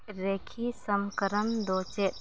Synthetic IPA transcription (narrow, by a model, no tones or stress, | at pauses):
ɾekʰisəmkəɾənd̪oːt͡ʃet̪̚